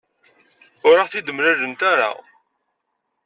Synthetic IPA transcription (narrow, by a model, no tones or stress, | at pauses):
ʊɾaʁθid̪əmɾælənt̪aɾa̰